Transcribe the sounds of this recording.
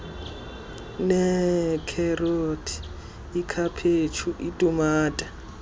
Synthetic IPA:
nɛkʰɛrotʰi̥ | ikʰapʰet͡ʃʰuʔitʼumaːtʼḁ

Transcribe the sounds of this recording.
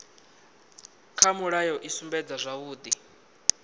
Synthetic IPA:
kʰamuɺajɔʔisumbɛd͡zazʷaβuːd̪i

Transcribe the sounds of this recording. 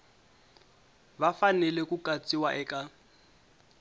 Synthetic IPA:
bafanɛlɛkukʼat͡sʼiwaʔɛkʼa

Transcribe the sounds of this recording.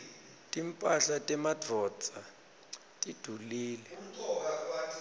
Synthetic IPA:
tʼimpʼaɬatʼɛmadʱɔt͡sʼa | tʼid̥ʱuliːlɛ

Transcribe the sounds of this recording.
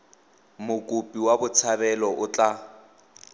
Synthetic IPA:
mʊkʼupʼiwabʊt͡sʰabɛlɔʔʊt͡ɬʼa

